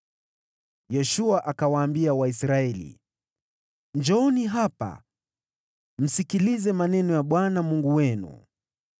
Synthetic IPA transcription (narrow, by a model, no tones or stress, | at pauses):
jɛʃuaʔakawaːmbiawaisɾaɛlḭ | ɲd͡ʒɔɔniɦapa̰ | m̩sikilizɛmanɛnɔjaɓwanamuŋɡuwɛnṵ